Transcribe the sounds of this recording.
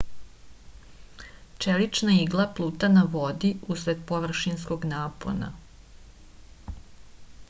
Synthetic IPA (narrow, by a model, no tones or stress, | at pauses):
t͡ʃelit͡ʃnaiɡlˠaplˠuːt̪anaʋod̪iusɾed̪poʋr̩ʃinskoɡnaːpo̰na̰